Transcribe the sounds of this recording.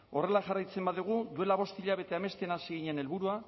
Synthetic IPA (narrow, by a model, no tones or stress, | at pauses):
o̞re̞laʝarajt͡se̞mbaðuɣ̞ud̪ue̞laβ̞o̞st̪iʎaβe̞t̪e̞ame̞st̪enasiɣiɲene̞lβuɾua